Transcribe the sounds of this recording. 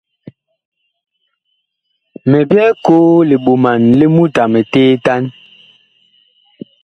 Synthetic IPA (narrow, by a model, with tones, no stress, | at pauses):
mɛ˨bjɛ˦koː˦le˨ɓo˨ma˨nle˦mu˦ta˨mɛ˨teː˦ta˦n